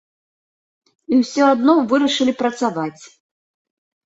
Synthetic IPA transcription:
iwsʲɔad̪nɔvɨɾɐʂɨlʲipɾɐt̪savat͡sʲ

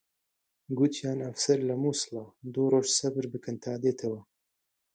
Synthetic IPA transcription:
ɡut̪ʰjɑːnɐfsɐɾlɐmuːslɑːd̪uːɾoːʒsɐbɨɾbɨkʰɨnt̪ʰɑːd̪eːt̪ʰɐwɐ

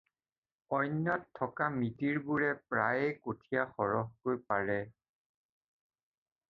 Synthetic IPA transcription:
ɔjnjɔtʰːɔkamitiɹbuɹɛpɹajekotʰijaxɔɹɔɦkojpaɹɛ

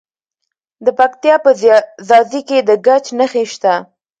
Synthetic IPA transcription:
d̪əpak̚t̪jɑpəzɑziked̪əɡat͡ʃnəxeʃt̪a

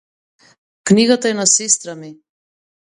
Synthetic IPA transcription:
kniɡat̪aɛnasɛst̪ɾami

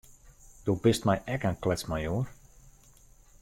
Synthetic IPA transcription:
d̥obɪstmɛjʔɛkənklɛt͡smajoər

